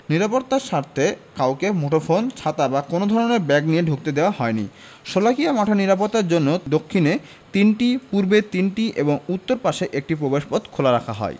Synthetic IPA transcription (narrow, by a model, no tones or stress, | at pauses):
niɾapoɾt̪ːaʃaɾt̪ʰekawkemoʈofont͡ɕʰat̪abakonod̪ʱɔɾoneɾbɛɡnijeɖʱuk̚t̪ed̪eoaɦɔenḭ | ʃolakijamaʈʰaniɾapoɾt̪ːaɾd͡ʑonːod̪okʰːine | t̪inʈipuɾbet̪inʈiʔeboŋut̪ːoɾpaʃeʔek̚ʈipɾobeʃpɔd̪kʰolaɾakʰaɦɔ̰e